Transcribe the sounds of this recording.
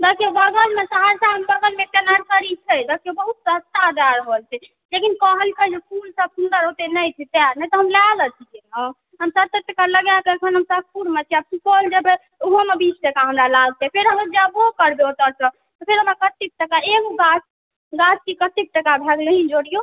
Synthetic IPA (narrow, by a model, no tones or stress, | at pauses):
bakibəɡəlmesəɦaɾsaəmbəɡəlmeʈenaɾkəɾit͡ʃʰɛd͡ʒakiobəɦut̪̚səst̪ad̪aɾɦolt͡ʃʰɛ | lekinkəɦəlkəd͡ʒekulsəbsund̪əɾɦot̪enəjt͡ʃʰit̪eaɾnɛjt̪ɔɦəmlalət͡ʃ̪ʰikenə | ɦəmsət̪eʈəkaləɡjakəkʰənɦəmsəb̚puɾmet͡ʃʰiab̚sukold͡ʒəbe | uɦomebit͡ʃʈəkaɦəmɾalaɡ̚t̪ɛpʰeɾɦəməd͡ʒabokəɾbeot̪əɾsə | t̪ɔpʰeɾɦəmɾakət̪ik̚ʈəkaeɡoɡas | ɡat͡ʃkikət̪ik̚ʈəkabʱɛɡleɦĩd͡ʒoɽijo